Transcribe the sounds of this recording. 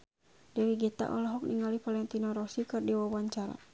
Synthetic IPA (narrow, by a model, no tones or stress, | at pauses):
dɛwiɡit̪a̰ʔɔlaɦɔk̚niŋalifalɛŋt̪inɔɾɔsikɨrdiwawaɲt͡ʃaɾa̰